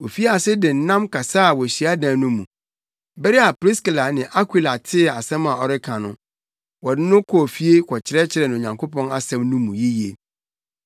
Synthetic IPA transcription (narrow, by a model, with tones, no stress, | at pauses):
o˨fi˦a˨sɪ˦dɪ˨n̩˦nã˦mkʰa˨sa˦˨wɔ˨ɕi˨a˦dã˨nʊ̃˦mṵ̃˨ | bɛ˦ɾɪ˦a˨pɾi˦skla˨nɪ̃˨ʔa˦kʰi˨la˨tʰɪ˦˨a˨sɛ̃˦mã˨ɔ˨ɾɪ˦kʰã˨nʊ̰̃˦ | wɔ˨dɪ˦nʊ̃˦kʰɔ˨fi˦e˦kʰɔ˨t͡ɕʰɪ˨ɾɛ˦t͡ɕʰɪ˨ɾɛ˨nʊ̃˨o˨ɲã˨ŋkʰo˦pʰɔ̃˦na˨sɛ̃˦mnũ˦mũ˨ji˦ji˨e˨